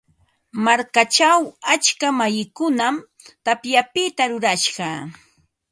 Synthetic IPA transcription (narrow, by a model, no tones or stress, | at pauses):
maɾkat͡ʃawat͡ʃkamajɪkʊnam | t̪apjapɪt̪aɾʊɾaʃɢɑ